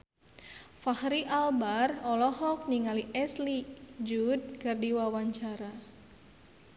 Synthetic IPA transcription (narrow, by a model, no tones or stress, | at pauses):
fahɾiʔalbarɔlɔɦɔk̚niŋaliʔɛslid͡ʒud̚kərdiwawaɲt͡ʃaɾa